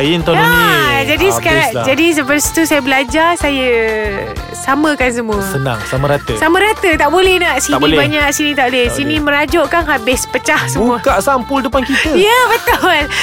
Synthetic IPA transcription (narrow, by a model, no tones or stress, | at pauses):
ajint̪oand͡ʒadisə̥kaɾad͡ʒadis̬əpərsi̥t̪usajəbəlad͡ʒasajə | samə̃kans̬əmũəsəna̰ŋsaməɾat̪əsamə̃ɾat̪ət̪aʔbolɛhnaʔsinibaɲaʔsinĩt̪aʔbolɛhsinĩməɾad͡ʒɔʔkanɦabɪspət͡ʃahsəbuuəkaʔsampʊldəpankit̪əjəbət̪ɔl